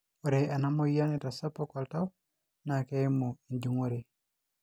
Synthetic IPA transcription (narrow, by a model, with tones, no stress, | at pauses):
o˨ɾea˨na˦mo˦ja˦nɪ˨tasa˦pɔkalta˦w | nakɛmo˨nd͡ʒu˨ŋo˦ɾe˨